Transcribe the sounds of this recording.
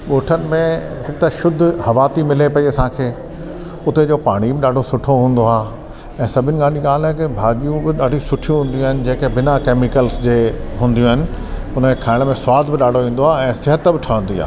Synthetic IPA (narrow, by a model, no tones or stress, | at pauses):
ɠoːʈʰənɪ̆mẽ | ɦɪk̚t̪aʃʊd̪ʱhɐʋaːt̪imɪlepɐiɐsãːkʰeː | ʊt̪ed͡ʑoːpaːɽ̃ibɪɗaːɖʱosʊʈʰoɦũːn̆d̪oaː | ɛ̃ːsɐbʱɪnɪ̆ɠaːniɠaːlɦɛkɪbʱaːʄijũbɪɗaːɖʱĩsʊʈʰijũɦũːn̆d̪ijũaːɦɪnɪ̆d͡ʑeːkebɪnakeːmɪkəlsd͡ʑeːɦũːnd̪ijũɦɪnɪ̆ | ʊnəkʰaːɪɽ̃mẽswaːd̪ʱbɪɗaːɖʱoʋĩːn̆d̪oaɛ̃ːsɪɦət̪bɪʈʰɐʋə̃n̆d̪ia̰ː